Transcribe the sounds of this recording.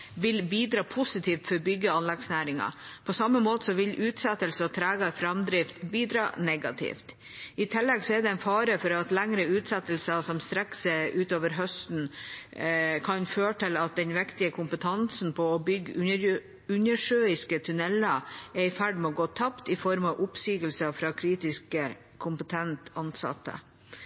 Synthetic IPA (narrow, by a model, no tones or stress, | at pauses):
ʋɪlbiːd̪ɾɑːpʰʊsɪt̪ʰiːft̪fɔɾbʏɡːəɑnlɛɡsnæːɾɪŋɑ̰pʰɔsɑmːəmoːt̪əsɔʋɪlʔʉːt̪sɛt̪ːəlsəɔt̪ʰɾæːɡɑfɾɑmd̪ɾɪft̪biːd̪ɾɑ̰ːnɛɡɑt̪ʰɪ̰ft̪ | ɪt̪ʰɪlːɛɡsɔɛɖ̪ɛɛnfɑːɾəfɔɾɑt̪læŋɾəʉːt̪sɛt̪ːəl̩sɑsɔmst̪ɾɛkːsɛʔʉːt̪oːʋəɾɦœst̪n̩ | kʰɑnføːʈɪlɑt̪̚d̪ɛnʋɪkt̪ɪəkʰʊmpət̪ʰɑnsn̩pʰɔːbʏɡ | ʉɲəʂøːɪskət̪ʰʉnɛlɑɛɪfæɖmɛɔɡoːt̪ʰɑpt̪ɪfɔɾmɑʋʔʊpsyːɡəlsəfɾɑːkʰɾiːt̪ɪskə | kʰʊmpət̪ʰɛnt̪ɑnsɑ̰t̪ːə̰